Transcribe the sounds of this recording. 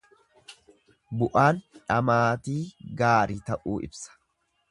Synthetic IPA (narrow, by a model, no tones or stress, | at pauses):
bʊʔaːnᶑɐmaːt̪iːɡaːɾiːt̪ɐʔuːʔɪ̰bsɐ̥